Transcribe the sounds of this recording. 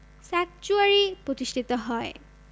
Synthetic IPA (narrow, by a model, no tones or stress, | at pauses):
sak̚t͡ʃuaɹipɹot̪isʈʰit̪ɔɦɔj